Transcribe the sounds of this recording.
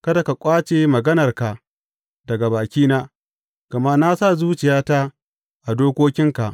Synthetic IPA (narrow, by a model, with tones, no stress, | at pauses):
kɐ˦da˨ka˨kʷʼaː˦t͡ʃeː˨mɐ˨ɡɐ˦nɐ˨rka˨ | dɐ˨ɡa˨baː˨kʲiː˦naː˦ | kɐ˨ma˦na˦sa˦˨zuː˦t͡ʃɪ˨jaː˦ta˦ | ʔa˨doː˦kʷoː˦kʲɪ˦ŋka˨ʔ